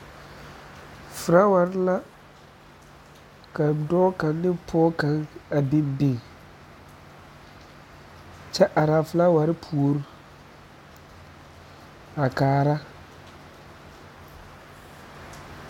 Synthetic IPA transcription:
fʊ˨ɾa˦wa˨ɾɪ˦la˦ | ka˨dɔː˦ka˨nː˦ɪ˦pʰɔː˦ka˨ŋa˨bɪ˦mbi˦˨ | t͡ʃɛ˦ʔa˨ɾa˨fʊ˨la˦wa˨ɾɪ˦pʰu˨o˦ɾu˨ | a˨kaː˨ɾa˦

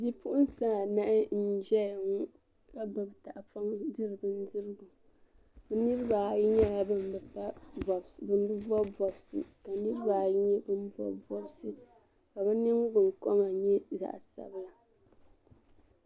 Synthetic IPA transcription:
di˦pʊ˦ʔʊ˦n˦sa˦˨na˦ʔɪ˦n̩˦d͡ʒɛ˦˨ŋu˦ | ka˦ba˨bta˨ʔa˨pa˦ŋdɨ˦ɾɨ˨ɡɨ˦n˦dɨ˦ɾɨ˦ɡu˨ | bɨ˦nɨ˦ɾɨ˦ba˨˦˨ji˦ɲɛ˦la˨bɨ˦n˨bɨ˨pa˦bɔ˨bbɨ˨n˦bɨ˦bɔ˦bɔ˨bsɨ̰˨ka˨nɨ˦ɾɨ˦ba˨˦ɲɛ˦bɨ˦n˦vɔ̰˦bɔ˦bsɨ˨ | ka˨bɨ˦nɨ˦ŋ˦ɡɨ˨ŋ˨kɔ˦ŋa˨ɲɛ˦za̰˨ʔsa̰˨bɨ˦la˨

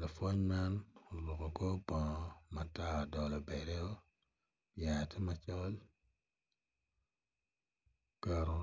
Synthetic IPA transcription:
la˨fo˦ɲma˦no˨lu˨ko˨ko˦bɔ̃˨˦ma˨ta˦˨dɔ˨lɔ˨bɛ˨ɾɛ˦o˦ | bja˨ti˦ma˨t͡ʃɔ˦l | ka˨ɾo˨

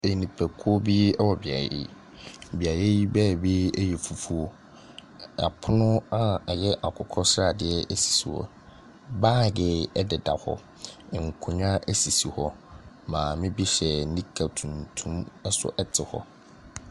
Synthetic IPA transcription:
e˨nĩ˨pʰæ˨kʰu˦ɔ˦bi˦ɛ˦wɔ˨bɪ˨a̰˨jɛ̰˦˨ | bi˨a˨jɛ˦ji˦bɛ˦˨bi˦ɛ˦jɛ˨fu˨fu˦o˦ | a̰˨pʰʊ˦nʊ̃˦a˨ɛ˨jɛ˦ʔa˨kʰʊ˨kʰɔ˦sɾa˨dɪ˦˨ɛ˦ʔɛ˦si̥˨si˨hɔ̰˦ | baː˦˨dɪ˨ɛ˦dɪ˨da̰˨hɔ̰˦˨ | ŋ̩˨kʰʊ̃˨ɲã˦ʔæ˦si˨si˨hɔ˦ | mãː˨mɪ̃˦bi˦ɕɛ˨˦nĩ˦kʰa˨tʰũ˨ntʰũ˦mɛ˦sʊ̰˦ʔɛ˦tʰɪ˨hɔ̰˦

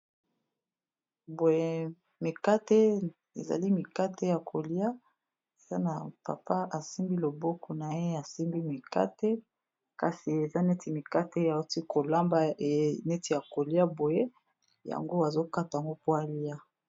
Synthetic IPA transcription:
bo˨je˦ | mi˨ka˦te˦ | ḛ˨za̰˨li˦mi˨ka˦te˦ja˨kʰo˨li˦a˦ | e˨z̥a˦na˨pa̰˨pa˦ʔa˨si˦mbi˦lo˨bɔ˦kɔ˨na˨je˦a˨si˦mbi˦mi˨ka̰˦te˦ | ka˨si˨e˨za˦ne˦tʰi˨mi˨ka˦te˦ja˨˦ti˦ko˨la˦mba˦˨˦ne˦ti˨ja˨ko˨li˦a˦bo˨je˦ | ja̰˨ŋɡo˦a˨zo˦ka˦ta˨ja˨ŋɡo˦po˦a˨li˦a˦

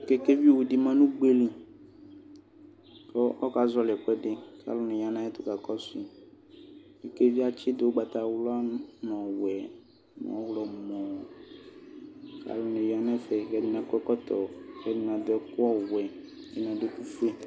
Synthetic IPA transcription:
kɛ˦ke˦vi˦wu˨di˨mã˦nũ˦ɡ͡be˦li˨ | kɔ˦ɔ˦ka˨zɔ˦lɛ˨kɛ˦ɖɪ˦ka̰˨lʊ˦nẽ˨ja˦nã˦jɛ˦t̪ʊ˦ka˨kɔ˦si˨ | ke˨ke˦vi˦a˦t͡ʃɪ˦d̪o˨wo˦ɡ͡ba˨t̪a˨wlɔ˦a˦nɔ̃˨wɛ˨ | nɔ̰̃˨˦wlɔ˨mɔ̃˨ | ka̰˨lʊ˦nẽ˨ja˦nɛ̃˦fɛ˨ɣɛ˨˦dɪ˨nã˨kɛ˦kɔ˦t̪ɔ˨ɣɛ˦dɪ˨nã˨d̪ɔ˦kɔ˦wɛ˨ | e˨nã˨de˦ku˦fle˦

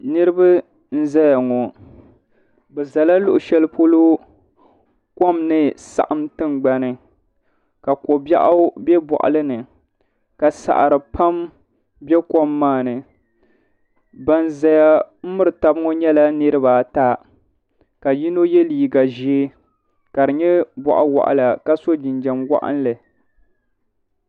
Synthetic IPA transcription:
nɨ˦ɾɨ˦ba˦ | n̩˦za˦ja˨ŋɔ˨ | bɛ˨za˨la˦lʊ˨ʔʊ˨ʃɛ˦lɨ˦po˦lo˦ | ko˦mnɨ˦sa̰˨ʔa˨˦mtɨ˦nɡ͡ba˦nɨ˨ | ka˨ko˨bja̰˦ʔa˦bjɛ˦bɔ̰˨ʔa̰˨lɨ˦nɨ˨ | ka˨sa̰˨ʔa̰˨ɾɨ˨pa˦m | bɛ˦ko˦mːaː˦˨nɨ˨ | ba˦nza˦ja˦m̩˦mɨ˦ɾɨ˨ta˦bɨ˦ŋo˦ɲɛ˦la˦nɨ˦ɾɨ˦ba˨ta˦ | ka˨ji˦no˦jɛ˦liː˨ɡa˨ʒe˦ | ka˨ɾɨ˨ɲɛ˦bɔ̰˨ʔa̰˦wa̰˨ʔa̰˨la˨ka˦so˦d͡ʒɪ˨nd͡ʒɛ˨mwa̰˦ʔa̰˦n˦lɨ˨

